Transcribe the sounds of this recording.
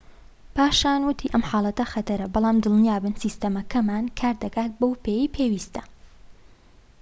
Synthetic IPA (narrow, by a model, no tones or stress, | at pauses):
paːʃaːnwʊt̪ʰiːʔɐmħaːlˠɐt̪ɐxɐt̪ɐɾɐbɑlˠaːmd̪ɨlˠnijaːbɨnsiːst̪ɐmɐkʰɐmaːnkʰaːɾd̪ɐkaːt̪̚bowpʰejiːpʰeːwiːst̪ʰɐ̥